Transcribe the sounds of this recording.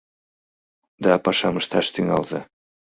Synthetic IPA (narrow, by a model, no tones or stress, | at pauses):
d̪ɑpɑʃɑmɤʃt̪ɑʃt̪yŋɑ̰lˠzɑ̰